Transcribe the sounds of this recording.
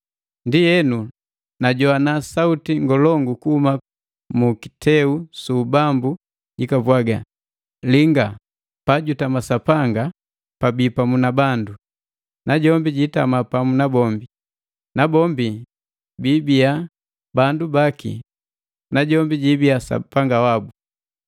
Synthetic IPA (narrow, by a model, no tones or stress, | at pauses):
ndijɛnu | naɟɔanasautiŋɡɔlɔŋɡukuhuma | muki̥tʰɛusuːbambu | ɟikabwaɡa | liŋɡa | paɟutamasapaŋɡa | pabipamunabandu | naɟɔmbiɟitamapamunabɔmbi | nabɔmbi | bibia | bandubakḭ | naɟɔmbiɟibiasa̰paŋɡawabu